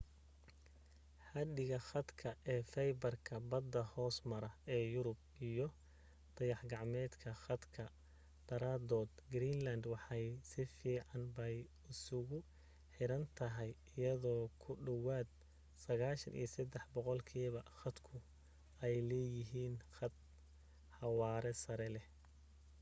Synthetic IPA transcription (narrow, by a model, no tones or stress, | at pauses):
ħɑd̪ɪɣɐχɑd̪kʰɐʔɛːfɛjbɐrkʰɐbɐd̪ːɐhɔːsmɐɾɐɛːjʊɾʊb̚ | ijɞ | d̪̥ɐjɑħɡɑʕmɛːd̪kʰɐχɑd̪kʰɐ | b̪̥ɐɾaːd̪ɔːd̪ɡɾiːnlɐnd̪wɑħɑjsɪfiːʕɑnbɛj | ʊsʊɣʊ | ħɪɾɐnt̪ʰɐɦɛj | ɪjɐðɔːkʰʊɖɐwaːd̪̚ | sɐɣaːʃɐnʔḭjɐsɐd̪ɛħbɔqɔlkʰiːβɐχɐd̪kʰʊ | ʔɛjlɛːjɪɦiːnχɐd̪̚ | ħɑwɑːɾɛsɐɾɛlɛ